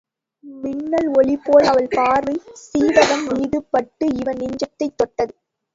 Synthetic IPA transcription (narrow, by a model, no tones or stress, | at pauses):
mɪnːɐlɔɭɪpːoːlɐʋɐlpaːrɯsiːʋɐɣɐmmiːðɯpːɐʈːɯɪʋɐnnɪɲd͡ʒɐt̪ːɐɪt̪ːɔʈːɐðɯ